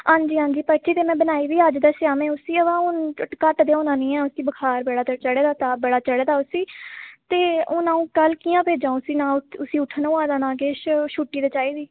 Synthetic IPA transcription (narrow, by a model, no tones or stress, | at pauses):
ɦãːɲd͡ʒiːɦãːɲd͡ʒiːpət͡ʃʰiːt̪eːmɛ̃ːbənaːiːʋiːəd͡ʒd̪aːʃaːmɛ̃ːʊsiːəʋãːʊnkəʈd̪eːõːnãːnĩːɛ̃ːʊsiːbəkʰaːɾbəɽaːt͡ʃəɽeːd̪aːt̪aːbəɽaːt͡ʃəɽeːd̪aːʊsiːt̪eːonãːũːkəlkiːãːpeːd͡ʒãːõsiːnãːʊsiːʊʈʰnõːãːd̪aːnãːɡeːʃʃuːʈːiːd̪eːt͡ʃaːiːd̪iː